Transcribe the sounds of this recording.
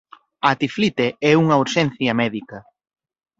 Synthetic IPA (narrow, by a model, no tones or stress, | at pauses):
ɐt̪iflit̪eɛuŋɐuɾʃɛn̟θjɐmɛðikɐ